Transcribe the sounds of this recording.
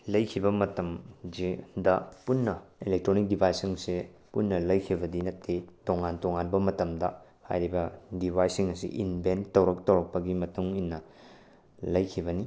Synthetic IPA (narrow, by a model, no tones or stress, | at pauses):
lɐjkʰibɐmɐtɐmd͡ʒidɐpunːɐilek̚tɾonik̚dibʱajsiŋse | punːɐlɐjkʰibɐdinɐtʰːetoŋantoŋanbɐmɐtɐmdɐ | ha̰jɾibɐdibʱajsiŋɐsḭʔinbentːɐwɾɐk̚tɐwɾɐk̚pɐɡimɐtuŋinːɐ | lɐjkʰibɐni